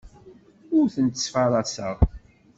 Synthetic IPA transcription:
ʊɾθənt̪ə̥sfɑɾˤɑsə̰ʁ

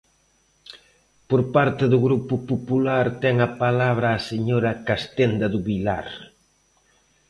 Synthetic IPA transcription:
poɾpaɾt̪eðʊɣɾupʊpopulaɾt̪ɛŋɐpalaβɾaːseɲoɾɐkast̪end̪ɐðuβila̰ɾ

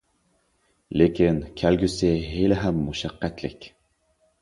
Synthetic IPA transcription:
lekʲinkʲʰælɡʲysɪɦelɪɦæmːuʃæqːæt̪lɪ̰kʲ

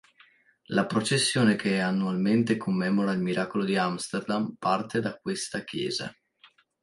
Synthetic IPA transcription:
lapɾot͡ʃesːjoːnekʰeanːualment̪ekʰomːɛːmoɾailmiɾʔaːkolod̪iamst̪erd̪ampart̪ed̪ak̚west̪akjɛ̰ːza̰

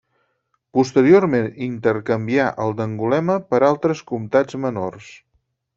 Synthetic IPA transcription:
pust̪əɾiormenint̪əɾkəmbiaʔəlˠd̪əŋɡulɛməpəɾalˠt̪ɾəskumt̪ad͡zmənors

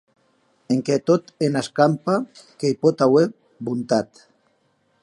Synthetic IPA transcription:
eŋket̪ot̪enaskampakejpot̪awe | bunt̪at̪

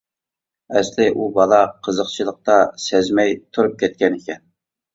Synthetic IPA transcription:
ɛslɪʔubɑlˠɑqʰəzəqt͡ʃʰilˠəq̚t̪ɑsɛzmɛjt̪ʰuɾup̚kʲʰɛt̪̚kʲɛnikʲɛn

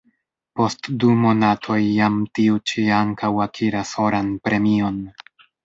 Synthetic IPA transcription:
po̞stdumo̞natʰo̞jːamtiut͡ʃiaŋkawakʰiɾasho̞ɾanpɾe̞mio̞n

